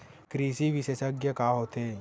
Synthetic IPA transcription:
kɾiːsiʋɪʃeːsəɡjəkaɦoːt̪eː

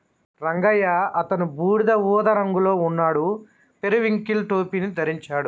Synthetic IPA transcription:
ɾɐŋɡɐjaɐt̪ɐnubuːɽid̪ɐʋuːd̪ɐɾɐŋɡulo̞ːunːaːɽu | peɾuʋiŋkilʈoːpiːnit̪ɐɾiɲt͡ʃaːɽu

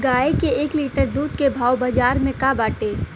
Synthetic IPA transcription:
ɡaːekeeːkliːʈəɾd̪uːd̪kebʱaːobad͡ʒaːɾmẽkabaːʈeː

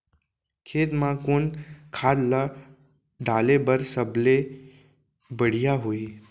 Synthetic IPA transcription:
kʰeːt̪mãkʊnkʰaːd̪la | ɖʱaːlebəɾsəble | bəɽ̤ijaɦoi

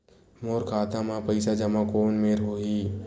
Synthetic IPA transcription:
moːɾkʰaːt̪amãpɐɪsad͡ʒɐmãkoːnmeːɾɦoːɦiː

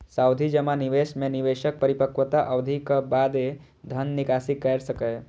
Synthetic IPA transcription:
saːʊd̪ʱid͡ʒəmanɪʋeːʃmẽnɪʋeːʃək̚pəɾɪpəkʋət̪aʔɐʋd̪ʱikəbaːd̪e | d̪ʱənːɪkaːsikɐɾsəkə

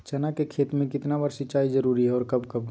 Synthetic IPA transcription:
t͡ʃənakekʰeːt̪mẽkɪt̪nabəɾsɪt͡ʃaːid͡ʒəɾuɾiɦɛɔːɾkəbkəb

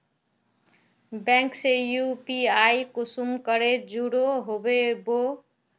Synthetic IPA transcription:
baŋksejupiajkusumkʌɾed͡zuɽoɦobebo

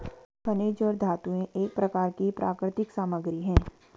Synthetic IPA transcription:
pɐneːd͡ʒɔːɾd̪ʱaːt̪uẽʔeːk̚pɾɐkaːɾkipɾʔa̰ːkɾɪt̪ɪksaːməɡɾiɦɛ̃ː

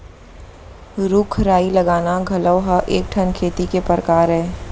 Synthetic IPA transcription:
ɾʊkʰɾaːiləɡaːnaɡʱɐləwɦəʔeːk̚ʈʰənkʰeːt̪ikepəɾəkaːɾɦɛː

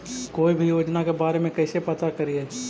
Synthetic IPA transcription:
koːibʱijoːd͡ʒnakebaːɾemẽkɛːsepɐt̪akəɾieː

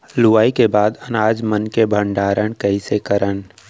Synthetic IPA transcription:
luʋaːikebaːd̪ɐnaːd͡ʒmənkebʱə̃ɳɖaːɾəɽ̃kɐisekəɾən

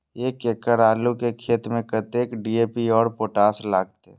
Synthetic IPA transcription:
jekeːkəɾaːlukekʰeːt̪mẽkət̪eːkɖiːeːpiɔːɾpoːʈaːslaːɡ̚t̪eɛ

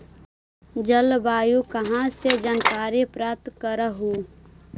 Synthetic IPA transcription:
d͡ʒəlbaːjukəɦãsed͡ʒənkaːɾipɾaːt̪kəɾəɦu

